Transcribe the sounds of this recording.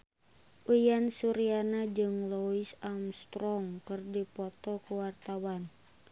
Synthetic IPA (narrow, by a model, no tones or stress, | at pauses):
ʔujansuɾianad͡ʒɨŋlɔisamst̪ɾɔŋkɨrdipɔt̪ɔkuwart̪awan